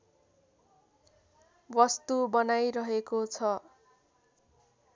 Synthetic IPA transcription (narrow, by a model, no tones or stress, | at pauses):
bʌst̪ubʌnajɾʌɦekot͡sʰʌ